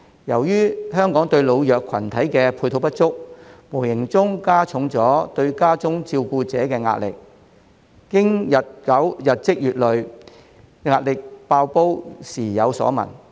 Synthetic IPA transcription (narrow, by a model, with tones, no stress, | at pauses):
jɐ˨˩wjyː˥ɦœː˥ŋkɔː˨˥ŋt̪ɵ˧ɥlo˨˧wjœː˨kʰwɐ˨˩nt̪ʰɐ˨˥jkɛː˧pʰuː˧jt̪ʰo˨˧wpɐ˥t̚t͡sʊ˥k̚mu˨˩jɪ˨˩ŋt͡sʊ˥ŋkaː˥t͡sʰʊ˨˥ŋt͡sɔː˨˥t̪ɵ˧ɥkaː˥t͡sʊ˥ŋt͡siː˧wkuː˧t͡sɛː˨˥kɛː˧ŋa̰ː˧t̚lɪ̰˨k̚ː | ɪ˥ŋjɐ˨t̚kɐ˨˥wjɐ˨t̚t͡sɪ˥k̚jyː˨t̚lɵ˨ɥ | ŋaː˧t̚lɪ˨k̚paː˧wpo˥wsiː˨˩jɐ˨˧wsɔ̰ː˨˥mɐ̰˨˩n